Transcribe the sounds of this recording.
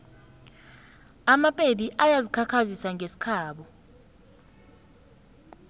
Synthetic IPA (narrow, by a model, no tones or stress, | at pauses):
amapʼediʔajazikʰakʰazisaŋʱesi̥kʰaːɓɔ